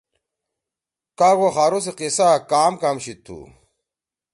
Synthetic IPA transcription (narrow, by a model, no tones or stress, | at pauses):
kaːɡoxaːɾos̬eqisakaːmkamɕit̪ʰːṵ